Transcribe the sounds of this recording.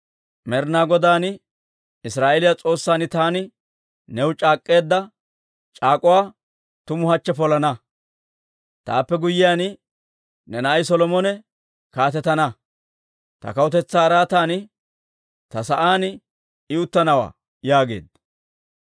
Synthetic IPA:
mɛɾnaːɡɔd̪aːnɪ | ɪsɾaːʔelɪjat͡sʼo̞ːsːaːnɪt̪aːnɪ | nɛwt͡ʃʼaːkʼːe̞ːd̪ːɐ | t͡ʃʼaːkʼʊwaː | t̪ʊmʊhɐt͡ʃːɛpɔlɐnɐ | t̪a̰ːpːɛɡʊjɪjaːnɪ | nɛnɐʔɐjsɔlɔmɔnɛ | kaːt̪ɛt̪ːɐnɐ | t̪ɐ̰kɐwʊt̪ɛt͡sːaːɾaːt̪aːnɪ | t̪ɐsɐʔaːnɪ | ɪʊt̪ːɐnɐwa̰ː | jaːɡe̞̰ːd̪ɐ

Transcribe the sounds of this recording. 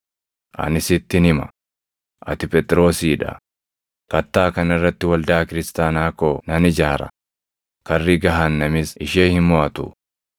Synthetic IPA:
ʔɐ̰nɪsɪt̪ːɪnɪmɐ̰ | ʔɐ̰t̪ɪpɛt̪ʼɾo̞ːsiːᶑɐ̰ | kɐt̪ːaːkɐnɪrːɐt̪ːɪwɐld̪aːkɪɾɪst̪aːnaːkoːnɐnɪd͡ʒaːɾɐ̰ | kɐrːiːɡɐɦanːɐmɪsɪʃeːhɪmmɔʔɐt̪ʊ̰

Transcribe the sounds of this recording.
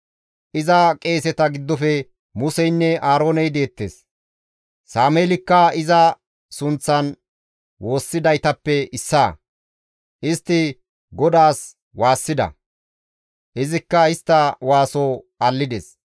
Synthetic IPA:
ʔɪzɐkʼe̞ːsɛt̪ɐɡɪd̪ːɔfɛ | mʊsɛjnːɛʔaːɾo̞ːnɛjd̪e̞ːt̪ːḛːs | saːmeːlɪkːɐɪzɐ | sʊnt͡sːɐn | wo̞ːsːɪd̪ɐjt̪ɐpːɛɪsːaː | ʔɪst̪ːɪ | ɡɔd̪aːs | waːsːɪd̪ɐ̰ | ʔɪzɪkːɐɪst̪ːɐwaːso | ɐlːɪd̪ɛs

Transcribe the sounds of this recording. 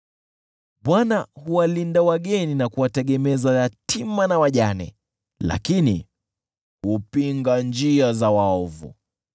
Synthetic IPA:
ɓwanahuwalindawaɠɛninakuwatɛɠɛmɛzajatʰimanawaʄanɛ̰ | la̰kinḭ | hupiŋɡand͡ʒiazawaɔvṵ

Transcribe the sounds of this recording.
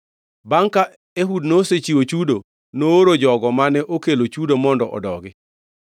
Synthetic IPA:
baŋka | eɦudnoset͡ʃiwot͡ʃudo | nooɾod͡ʒɔɡɔmanɛʔokelot͡ʃudomɔndɔʔɔ̰dɔɡɪ

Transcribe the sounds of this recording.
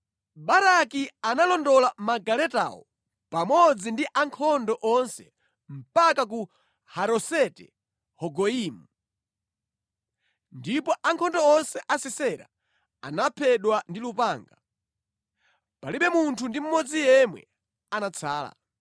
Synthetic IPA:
ɓaɾakianalɔndɔlamaɡalɛta̰wɔ̰ | pamɔd͡zindiʔaŋkʰɔndɔʔɔnsɛ̰ | m̩pakak̬u | haɾɔsɛtɛ | hɔɡɔiːmu | ndipɔʔaŋkʰɔndɔɔnsɛʔasisɛɾa̰ | anapʰɛɗwandilupaːŋɡa | paliɓɛmuntʰundim̩mɔd͡zijɛmwɛ̰ | anat͡sʰaːla̰

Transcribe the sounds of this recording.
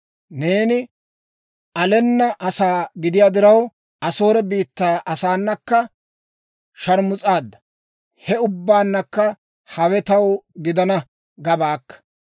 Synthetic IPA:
ne̞ːnɪ | ɐlɛnːɐʔɐsaːɡɪd̪ɪjaːd̪ɪɾɐw | ɐso̞ːɾɛbiːt̪ːaːʔɐsaːnːɐkːɐ | ʃɐɾmʊt͡sʼaːd̪ːɐ̥ | hɛʊbːaːnːɐkːɐ | hɐwɛt̪ɐwɡɪd̪ɐnɐ | ɡɐbaːkːɐ̥

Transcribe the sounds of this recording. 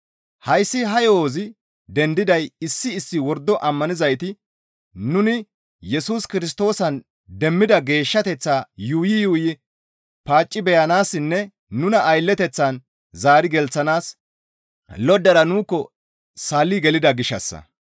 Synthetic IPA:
hɐjsːɪɦɐjoːzɪ | d̪ɛnd̪ɪd̪ɐjɪsːɪːsːɪwɔɾd̪ːɔʔɐmːɐnɪzɐjt̪ɪ | nʊnɪ | jɛsuːskɪɾɪs̬t̪o̞ːsɐn | d̪ɛmːɪd̪ɐɡe̞ːʃːɐt̪ɛt͡sːaːjuːjɪjuːjɪ | paːt͡ʃʼːɪbɛjɐnaːsːɪnːɛ | nʊnɐʔːjlːɛt̪ɛt͡sːɐn | zaːɾɪɡɛlt͡sːɐnaːs | lɔd̪ːɐɾɐnuːkːɔ | salːiɡɛlɪd̪ɐɡɪʃɐ̰sːɐ̰

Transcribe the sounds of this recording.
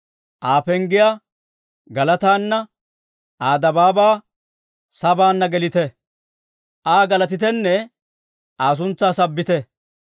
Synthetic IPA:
ʔaːfɛŋɡɪjaː | ɡɐlɐt̪aːnːɐ | ʔaːd̪ɐbaːbaː | sɐbaːnːɐɡɛlɪt̪ɛ | ʔaːɡɐlɐt̪̬ɪt̪ɛnːɛ | ʔaːs̬ʊnt͡sːaːsɐbːɪt̪ɛ

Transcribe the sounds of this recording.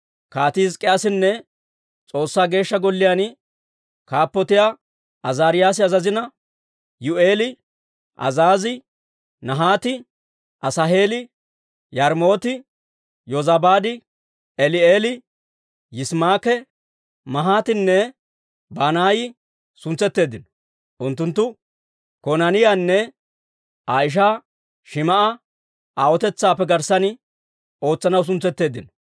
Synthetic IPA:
kaːt̪ɪɪzkʼːɛɐsɪnːɛ | t͡sʼo̞ːsːaːɡe̞ːʃːɐɡɔlːɪjaːn | kaːpːɔt̪ɪjaː | ʔɐzaːɾɪjaːs̬ɪɐzɐzɪnɐ | jʊʔe̞ːlɪ | ʔɐ̰zaːzɪ | nɐɦaːt̪ɪ | ʔɐsɐɦe̞ːlɪ | jɐɾmo̞ːt̪ɪ | jɔzɐbaːd̪ɪ | ɛlɪeːlɪ | jɪsmaːkɛ | mɐɦaːt̪ɪnːɛ | banaːjɪ | sʊnt͡sɛt̪ːe̞ːd̪ɪnɔ̥ | ʔʊnt̪ːʊnt̪ːʊ | kɔnɐnɪjanːɛ | aːɪʃ̬a | ʃɪmɐʔɐ | awɔt̪ɛt͡sːaːpːɛɡɐɾsɐnɪ | o̞ːt͡sːɐnɐws̬ʊnt͡sːɛt̪ːe̞ːd̪ɪnɔ̥

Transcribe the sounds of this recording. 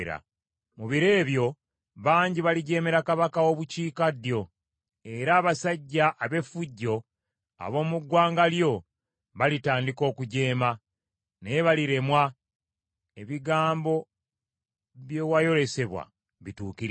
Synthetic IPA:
ɾa̰ | muβiɾe̞ːβjo̞ | βaːɲɟiβaliɟe̞ːme̞ɾakaβakawo̞βuciːkadjo̞ | e̞ɾaːβasaɟːaʔːβe̞fuɟːo̞ | a̰βo̞ːmuɡwaːŋɡaljo̞ | βalitaːndiko̞ːkuɟe̞ːma | neβaliɾe̞mwa | e̞βiɡaːmbo̞ | βjewajo̞le̞se̞βwa̰ | βituːkiɾ

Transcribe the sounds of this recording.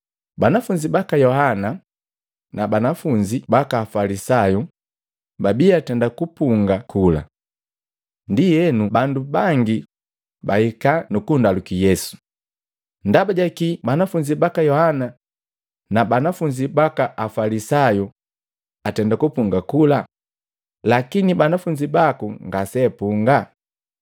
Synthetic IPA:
banafuɲd͡ʒibakajɔhana | nabanafuɲd͡ʒibakaːfalisaju | babiatɛndakupuŋɡakʰula̰ | ndijɛnubandubaŋɡi | bahikanukundalukijɛsu̥ | ndabaɟakibanafuɲd͡ʒibakajɔhana | nabanafuɲd͡ʒibakaʔafalisaju | atɛndakupuŋɡakula | lakinibanafuɲd͡ʒibakuŋɡasɛpuŋɡa

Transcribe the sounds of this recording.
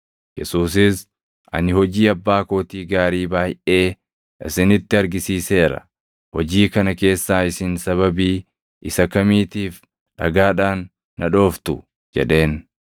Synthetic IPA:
jɛsuːs̬ɪs | ʔɐ̰nɪhɔd͡ʒiːɐbːaːko̞ːt̪iːɡaːɾiːbaːjʔe̞ː | ʔɪsɪnɪt̪ːɪɐɾɡɪsiːse̞ːɾɐ̰ | hɔd͡ʒiːkɐnɐke̞ːsːaːɪsɪnsɐβɐbiː | ʔɪsɐkɐmiːt̪iːf | ᶑɐ̰ɡaːᶑaːnː | ɐᶑo̞ːft̪ʊ | d͡ʒɛ̰ᶑe̞ːn

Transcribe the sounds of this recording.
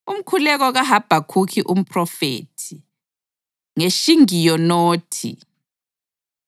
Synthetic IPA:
um̩kʰulɛɣɔɣaɦab̥ʱakʰukʰiʔum̩pʰʼrɔfḛːtʰi | ŋeʃiŋijɔnoːtʰḭ

